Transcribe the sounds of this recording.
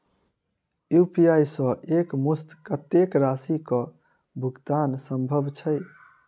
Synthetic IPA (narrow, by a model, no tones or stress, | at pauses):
jupijajsə̃ʔekmust̪kət̪ekɾasikɔ̃ | bʱuɡt̪ansəmbʱəbʱt͡ʃʰəj